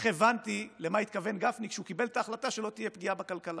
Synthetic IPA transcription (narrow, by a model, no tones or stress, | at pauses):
χevant̪ilemait̪kave̞nɡafnikʃeukibe̞lt̪aːχlat̪aʃe̞lo̞t̪ije̞pɡiabakalkala